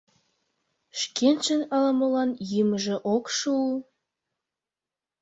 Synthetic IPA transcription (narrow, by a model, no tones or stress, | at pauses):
ʃkent͡ʃənɑləmə̆lɑnjiməʒĕʔokʃuu